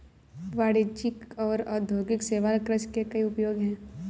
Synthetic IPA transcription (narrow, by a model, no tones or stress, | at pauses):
ʋaːɽit͡ʃɪkɔːɾaːd̪ʱoːɡɪkseːʋaːlkɾəʃkekɐiʊpjoːɡɦɛ̃ː